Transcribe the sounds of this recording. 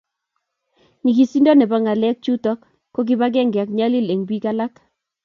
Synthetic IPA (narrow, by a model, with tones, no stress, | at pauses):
ɲi˨ki˨si˦ndɔ˦nɛ˨ba˦ŋa˨lɛ˦k̚t͡ʃu˦tɔ˦kː | o˦k̬i˦ba˦ɡɛ˦˨ŋɡa˨kɲa˦li˦le˨ŋbwi˦ka˦la˦k